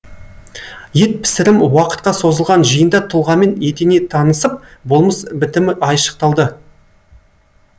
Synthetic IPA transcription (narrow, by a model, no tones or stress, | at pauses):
je̞t̪̚pʰɪ̥sɪɾɪmwɑqə̥t̪̚qɑso̞zəlˠʁɑnʒəjənd̪ɑt̪ʰʊlˠʁɑme̞net̪enet̪ʰɑnəsəp̚bolˠməsbɪt̪ɪmɪɑjʃə̥q̚t̪ɑlˠd̪ə